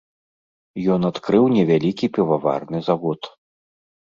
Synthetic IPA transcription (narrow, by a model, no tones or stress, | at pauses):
jɔnat̪kɾɨwnʲɛvʲalʲikʲipʲɛvava̰rnɨzavɔt̪